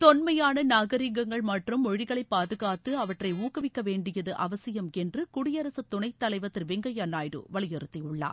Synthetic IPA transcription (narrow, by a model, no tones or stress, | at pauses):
t̪ɔnmɐjaːnɐnaːɣɐɾiŋɡɐŋɡɐɭmɐʈrɯmɔɻɪɣɐɭɐɪpːaːðɯɣaːt̪ːɯɐʋɐʈrɐɪuːkɐʋɪkːɐʋeːɳɖɪjɐðɯʔɐʋɐsɪjɐmɛndrɯkʊɽɪjɐɾɐsɯt̪ːʊɳɐɪt̪ːɐlɐɪʋɐt̪ːɪlʋɪŋɡɐjaːnaːjɾɯ̰ʋɐɭɪjɪɾɯt̪ːiʊɭːa̰ː